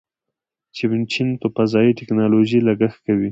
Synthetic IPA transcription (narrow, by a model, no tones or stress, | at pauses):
t͡ʃɪbɪnt͡ʃinp̪əpazɑjiʈɪknɑloʒilaɡaxkawi